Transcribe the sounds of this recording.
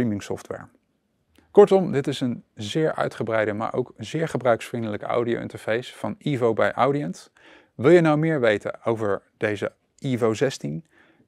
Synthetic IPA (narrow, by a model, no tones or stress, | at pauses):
imɪŋsɔ̰ftʋɛ̰ɹ | kɔɹtɔmdɪtɪsənzɪːɹœ̰ɥtχəbrɛjdəma̰ːɹʔo̰wkzɪːɹχəbrœɥksfrɪndələka̰wdio̰wɪ̰ntəɹv̥ejsfɑnivowbɛ̰jʔawdiəns | ʋɪlˠjənɑwmɪːɹʋejtə̰owvəɹd̥ejzə̰ | ivozɛstin